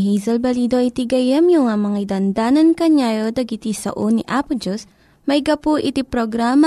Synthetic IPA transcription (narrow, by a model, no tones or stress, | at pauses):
ɦizɐlbɐliːd̪oʔɐjt̪iɡɐjɐmjoŋɐmɐŋajd̪ɐnd̪aːnɐnkɐɲajod̪ɐɡit̪isɐ̰ʔoniʔaːpʊd͡ʒos | mɐjɡɐpoʔɪt̪ipɾoɡɾaːma